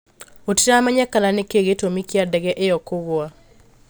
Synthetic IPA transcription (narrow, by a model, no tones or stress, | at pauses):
otiɾamaɲakalanekeɣetomikjadɛɣɛʔeɔkoɣoa